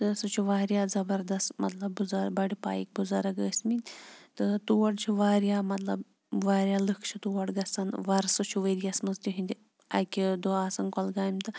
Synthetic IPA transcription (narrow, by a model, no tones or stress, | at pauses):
t̪ɨsɨt͡ʃʰiʋaːɾjaːzɐbɐɾd̪ɐst̪mɐ̰t̪lɐbːuzɐɾbɐɽipa̰ːjḭk̚buzɐɾɐɡəːsminʲt̪ɨt̪uʋɐɽt͡ʃʰiʋaːɾjaːmɐt̪lɐ̰b | ʋaːɾʲjaːlɨkʰt͡ʃʰit̪uʋɐɽɡɐsɐnʋɐɾsɨt͡ʃʰuʋəɾijɐsmɐnzt̪ʲuɦind̪ʲi | ɐkʲid̪uaːsɐnkɔlɡaːjmt̪ɨ